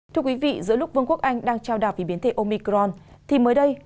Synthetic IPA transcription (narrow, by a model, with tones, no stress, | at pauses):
t̪ʰɨ˧əkwi˨˦vḭ˧˨zɨ̰˧˥əlʊ˦˥k͡p̚vɨ˧ŋku˦˥ək̚ʔa˧jŋ̟ɗaː˧ŋt͡ɕaː˧wɗa̰ː˨˩wvi˨˦ɓi˨˦nt̪ʰe˧˩ʔo˧mi˧kɾɔ˧nt̪ʰi˨˩məː˨˦jɗə˧j